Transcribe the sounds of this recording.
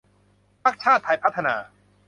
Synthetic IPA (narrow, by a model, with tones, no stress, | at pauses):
pʰa˥˩k̚t͡ɕʰaː˥˩t̪ʰːa˧jpʰa˦˥t̪ʰːa˧naː˧